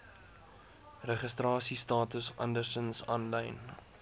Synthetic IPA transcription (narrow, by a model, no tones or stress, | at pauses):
rəχəstrɑːsistɑːtusʔɐ̰ndərsənsɑːnləjn